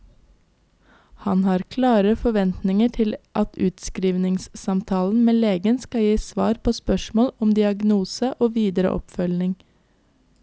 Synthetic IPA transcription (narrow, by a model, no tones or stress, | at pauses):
hɑnhɑːɾkʰlɑːɾəfɔʋɛnt̪nɪŋəʈʰɪlʔɑt̪ʰʉːt̪skɾiːʋnɪŋssɑmt̪ʰɑːln̩meːleːɡənskɑjiːsʋɑ̰ːɾpʰoːspœʃmoːlɔmd̪ɪɑɡnuːsəʔoːʋiːd̪əɾə̰ʔɔ̰pfœlnɪŋ